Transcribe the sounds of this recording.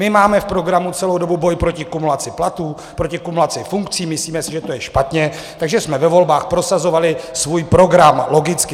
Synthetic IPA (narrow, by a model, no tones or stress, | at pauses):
mɪmaːmɛfpɾo̞ɡɾamut͡sɛlo̞wdo̞bubo̞jpɾo̞cɪkumulat͡sɪplat̪uː | pɾo̞cɪkumulat͡sɪfuŋkt͡siːmɪsliːmɛsɪʒɛt̪o̞jɛʃpat̪ɲɛ | t̪aɡʒɛsmɛvɛvo̞lbaːxpɾo̞sazo̞valɪsvuːjpɾo̞ɡɾamlo̞ɡɪt͡skɪ